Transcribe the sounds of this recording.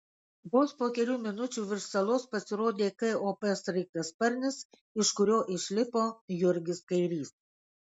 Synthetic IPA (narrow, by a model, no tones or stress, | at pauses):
boːspoːkʲɛlʲuːmʲɪnʊt͡ʃʲuːʋʲɪɾʃsɐlˠoːspɐsʲɪɾoːd̪ʲeːkɐoːpʲɛsɾɐɪkɐspɐɾʲnʲɪs | ɪʃkʊɾʲoːʔɪʃʲlʲɪpoːjʊɾʲɡʲɪskɐɪɾʲiːs